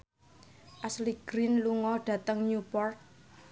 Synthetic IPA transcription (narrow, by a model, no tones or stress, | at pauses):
ʔasliɡ̥ɾinluŋɔɖ̥ä̤t̪əŋɲupɔrt̪̚